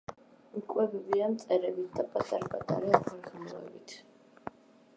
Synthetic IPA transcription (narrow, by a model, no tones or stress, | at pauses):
ikʼwɛbɛbiamt̪sʼɛɾɛbit̪̚ʰd̪apʼat̪ʼaɾpʼat̪ʼa̰ɾɛaχʰalɡamˠɔɛ̰bit̪ʰ